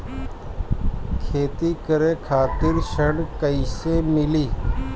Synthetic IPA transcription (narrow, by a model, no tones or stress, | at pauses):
kʰeːt̪iːkəɾeːkʰaːt̪ɪɾʃəɳkəɪseːmɪliː